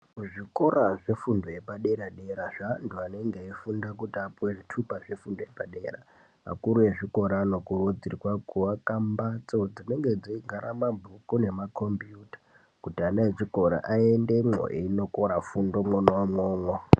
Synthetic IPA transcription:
uʐiko̞ɾaʐefundojepaɗe̞ɾaɗe̞ɾaʐantuane̞ŋɡeifundakutiapuweʐitʰupaʐefundojepaɗe̞̰ːra̰ | ma̰kuɾuje̞ʐiko̞ɾaːno̞kurud͡zirikwakuakambat͡so̞d͡zine̞ŋɡe̞d͡ziiɡʱaɾamabʱukune̞makʰombijuːtḁ | kutianaet͡ʃiko̞ɾa̰ʔaende̞mo̰ʔḛino̞koɾafundo̞monamwoːmwo

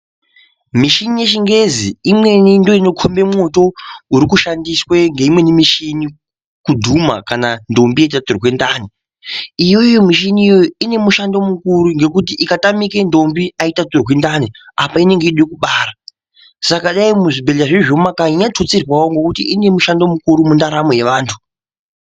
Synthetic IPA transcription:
miʃinije̞ʃiŋɡe̞ziimwe̞nindo̞ino̞kʰombe̞moto̞uɾikuʃandisweŋɡe̞imwe̞nimiʃini | kudʱuma̰kanando̞mbijeitatorwendaːni | ijo̞jomiʃiniijo̞ine̞muʃando̞mukuɾuŋɡe̞kut̬iʔikatamike̞ndo̞mbiaitatorwendaneapaine̞ŋɡeiɗekuɓaːɾa | sakaɗaimuʐibʱeɮaʐeʐomakaiɲatot͡sirwawoŋɡe̞kutiine̞muʃando̞mukuɾumundaɾamo̞je̞ʋaːntʰu̥

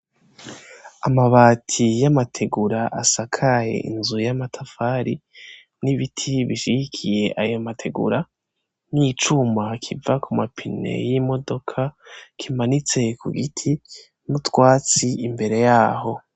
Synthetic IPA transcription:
amaβaːtʰijamatʰe̞ɡuɾaʔasakʰaje̞̰ʔḭnzujamatʰafaːɾi | niβitʰiβiʃiɡikʰije̞ʔajo̞matʰe̞ɡṵɾa | nit͡ʃumakʰivakumapʰine̞̰jimo̞do̞kʰakʰimanit͡se̞kṵɡḭtʰi | nutwaːt͡siimbe̞ɾe̞jaːho̞

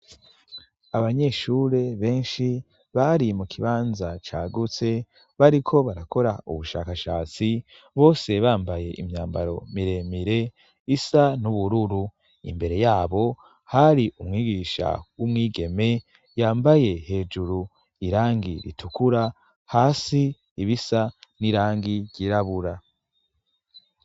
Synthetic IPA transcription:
aβaɲe̞ʃuːɾe̞βe̞ːnʃi | βaɾimukʰiβaːnzat͡ʃaːɡut͡se̞ | βaɾikʰo̞βaɾako̞ɾauβuʃa̰ːkaʃaːt͡si | βo̞ːse̞βaːmbaje̞ʔimɲaːmbaɾo̞̰miɾe̞miɾe̞ | isanuβuɾuɾu | ḭmbe̞ɾe̞jaːβo̞ | haɾiumŋiːɡiːʃa̰wumŋiːɡe̞me̞ | jaːmbaje̞he̞ːd͡ʒuɾu | iɾaːŋɡiɾḭtʰukuɾa | haːsi | iβisaniɾaːŋɡiɟɟiɾaβuɾa

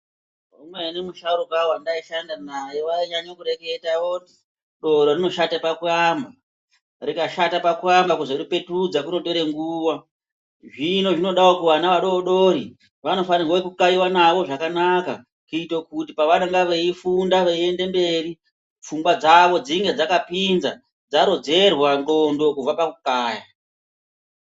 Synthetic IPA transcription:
umwenemuʃauɾokawandaiʃandanajewaiɲaɲokuɾe̞ɡe̞taʋondi | ɗo̞ɗorino̞ʃatapakuramba | rikaʃatapakurambakuʐeɗupe̞tud͡zakuno̞to̞ɾeŋɡuːwa | ʐino̞ʐino̞ɗawokuʋanaʋaɗo̞oɗoɾi | ʋano̞fanirwawekukaiwanaʋo̞ʐakanaka | kuitokutipaʋanaŋɡaʋeifundaʋeie̞nde̞mbe̞ri | p͡fuŋɡwad͡zaʋo̞d͡ziŋɡe̞d͡zakapinza | d͡zaɾo̞d͡ze̞rwando̞ndo̞kuvapakukaːja

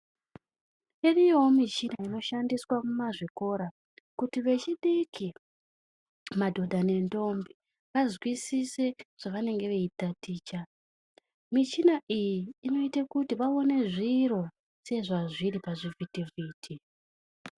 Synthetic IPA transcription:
irijo̞mit͡ʃinaino̞ʃandiswamumaʐiko̞ɾa | kutiʋe̞t͡ʃiɗikʰi | madʱo̞ɗʱane̞ndo̞mbi | ʋazwisise̞ʐ̥aʋane̞ŋɡe̞ʋeitatiːt͡ʃa | mit͡ʃinaʔijiːno̞itakutiʋaone̞ʐiro̞ | se̞ʐaʐiɾipaʐivʱitiviːtʰi

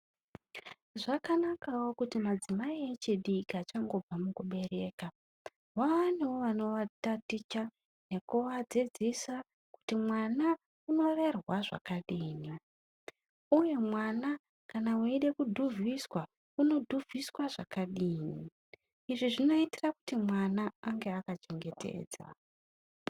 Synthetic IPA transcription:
ʐakanakawokutimad͡zimaiet͡ʃiɗikat͡ʃaŋɡo̞b͡vamukuɓe̞re̞ːka | waʋanewoʋano̞ʋatatit͡ʃa | nekuwad͡zid͡zisa | ku̥timwana | uno̞re̞rwaʐa̰kaɗiːni | uje̞mwana | kanawaiɗe̞kudʱuvʱiswa | uno̞dʱuvʱiswaʐ̥akaɗiːni | iʐiʐino̞itiraku̥timwanaːŋɡe̞akat͡ʃeŋɡe̞tʰe̞̰ːd͡za̰

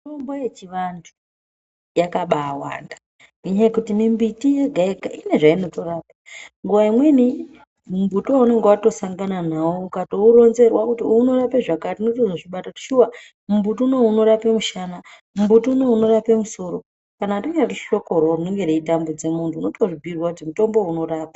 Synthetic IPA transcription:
tombojet͡ʃiʋantʰu̥ | jakaɓaːwa̰ːnda | kuɲaekutimimbitije̞ɡʱaeɡaine̞ʐaino̞to̞raːpḁŋɡuʋaimwe̞ni | mumbutuwaune̞ŋɡewato̞saŋɡananawoukato̞uɾo̞nze̞rwakutiuno̞rapeʐakatinotoʐoʐiɓatati̥ʃuwa | mumbutuuno̞uno̞ɾapemuʃaːna | mumbutuuno̞uno̞rapemuso̞ɾo | kanatiŋɡeraruʃo̞ko̞rorinoŋɡe̞ɾeitambud͡ze̞muntʰuːno̞toʐibʱirwakutimuto̞mbo̞uno̞raːpa

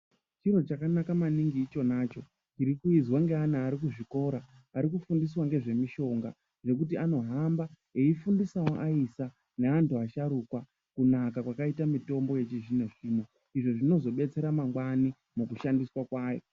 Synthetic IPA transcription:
t͡ʃiɾo̞t͡ʃakanakamaniŋɡiːt͡ʃo̞naːt͡ʃo̞ | t͡ʃiɾikuid͡zwaŋɡeanaːɾik̬uʐiko̞ɾaː | ɾik̬ufundis̬waŋɡe̞ʐe̞miʃo̞ŋɡa̰ | ʐe̞k̬utiano̞ɦamba | eifundisawoʔaisa | neantuaʃaɾukwa | kunakakwakaitamito̞mbo̞je̞t͡ʃiʒineʐiːmo | iʐo̞ʐino̞zo̞ɓe̞t͡se̞ɾamaŋɡwani | mukuʃandiswakwaːjo̞

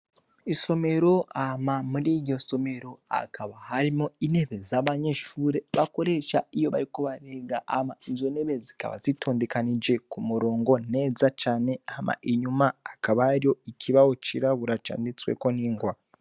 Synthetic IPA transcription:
iso̞me̞ɾo̞amamuɾiɟo̞so̞me̞ɾo̞a̰kaβaɦaɾimoine̞βe̞zaβaɲeʃuːɾe̞βako̞ɾe̞ʃaijo̞βaɾikoβaɾeɡaʔa̰maizoneβe̞zi̥ka̰βa̰zitʰo̞ndekanid͡ʒe̞kumuɾo̞ːŋɡo̞ne̞d͡zat͡ʃaːne̞ama̰ʔiɲumaːkaβaːɾio̞ikʰiβaot͡ʃiɾaβuɾat͡ʃa̰ndit͡swḛkoniːŋɡwa

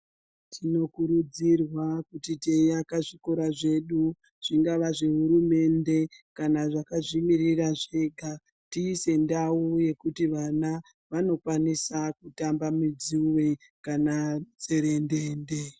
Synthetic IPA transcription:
tʰino̞kuɾud͡zirwakutitejakaʐiko̞ɾaʐe̞ɗu | ʐ̥iŋɡaʋaʐe̞ɦuɾume̞nde̞kanaʐakaʐimiriraʐe̞ːɡʱa | tiːse̞ndauje̞kutiʋana | ʋano̞kwanisakutambamid͡zuwe̞ | kanat͡se̞ɾe̞nde̞ːnde̞

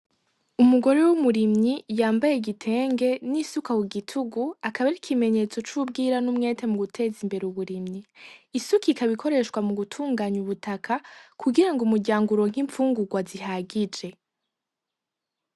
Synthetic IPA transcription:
umuɡo̞ɾewumuɾimɲijaːmbajeɡitʰe̞ːŋɡe̞nisukawuɡitʰuɡuakaβaɾikʰime̞ɲe̞t͡so̞t͡ʃubɡiːɾanumŋe̞ːtʰemuɡutʰe̞zimbe̞ɾeuβuɾimɲiisukʰikaβikʰo̞ɾe̞ʃkwamuɡutʰuːŋɡaːɲuβutʰakʰakʰuɡiɾaŋɡumuɟaːŋɡuɾo̞ŋ̥hiɱfuːŋɡuɡwaziɦaɡid͡ʒe̞

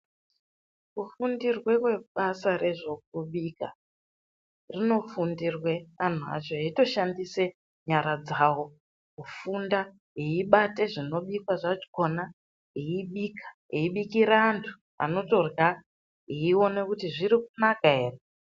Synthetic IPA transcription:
kufundirwe̞kwe̞ɓasare̞ʐo̞k̚uɓika̰ | rino̞fundirwe̞an̤ua̰t͡ʃo̞eito̞ʃandise̞ | ɲaɾad͡zawo̞ | kufunda | ɦeiɓate̞ʐino̞ɓikwaʐat͡ʃi̥ko̞na | ɦeiɓikʰḁɦeiɓikiɾaːntʰu̥ | a̰no̞to̞rɣa | ɦeio̞ne̞kutiʐirik̚unakaɦeːre

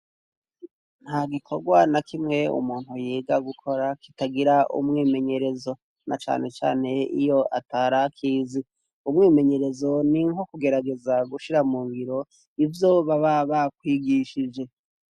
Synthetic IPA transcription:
n̥haɡikʰo̞ɡwanakimŋe̞ṵmuːn̥hujeːɡaɡukʰo̞ɾakitaɡiɾaʔṵmŋiːme̞ɲe̞ɾe̞zo̞ | nat͡ʃa̰ːne̞t͡ʃa̰ːne̞ḭjo̞ʔataɾakʰiːzi | umŋiːme̞ɲe̞ɾe̞zo̞niŋɦo̞kuɡe̞ɾaɡe̞zaɡuʃiɾamuːmβiɾo̞ | ivjoβaβaβak̚wiːɡiʃid͡ʒe̞

